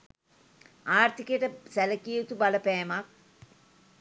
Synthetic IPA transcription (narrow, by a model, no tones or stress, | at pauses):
aːrt̪ikəʈəsæləkiut̪ubaləpæːmɐk̚